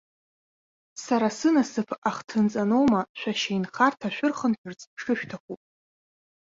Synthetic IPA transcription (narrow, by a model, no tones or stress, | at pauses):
saɾasɨnasɨpʰaχtʰɨnt͡sʼano̞wmaʃʷᶣaʃejnχartʰaʃᶣʷʊrχənħʷᶣʰʊrt͡sʰʼʂɨʃᶣtʰakʷupʼ